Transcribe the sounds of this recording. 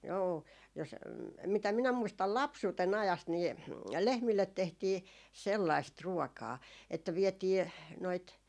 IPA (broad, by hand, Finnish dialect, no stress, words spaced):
joː jos mitæ minæ muistɑl lɑpsuːten ɑjɑst niː lehmilːet tehtiː selːɑist ruokɑː etːæ ʋietiː noit